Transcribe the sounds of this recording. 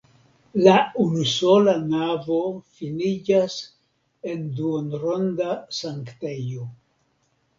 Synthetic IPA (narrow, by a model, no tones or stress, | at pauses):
launuso̞lanavo̞finid͡ʒas | e̞nduonɾo̞ndasaŋkte̞jo